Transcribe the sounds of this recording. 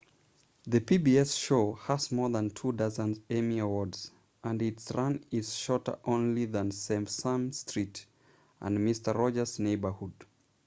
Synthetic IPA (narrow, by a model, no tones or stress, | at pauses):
ðɨpʰibiɛsʃoʊhəzmɔðə̃ntʰudʌzə̃nzemiəwɔɹdz̥ | ʔə̃ndɪtsɹʌ̃nɪz̥ʃɔɹtə̰˞ʔõʊ̃nliðə̃nsẽmpsãmstɹ̥it | ʔə̰̃nmɪstə˞ɹɔd͡ʒə˞z̥neɪbə˞hud̥